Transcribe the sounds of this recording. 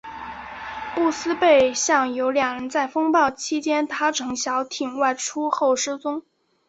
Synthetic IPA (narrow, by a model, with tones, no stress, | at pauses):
pu˥˩sɹ̩˥pe˥˩ɪɕjɑ˥˩ŋjo˧˥ʊljɑ˨˩ŋɻə˧˥nt͡sa˥˩ɪfɤ˥ŋpɑ˥˩ʊt͡ɕʰi˥t͡ɕjɛ˥nt̪ʰa˥ʈ͡ʂʰɤ˧˥ŋɕjɑ˧˥ʊt̪ʰi˨˩ŋwa˥˩ɪʈ͡ʂʰu˥xo˥˩ʊʂ̩˥t͡sʊ˥ŋ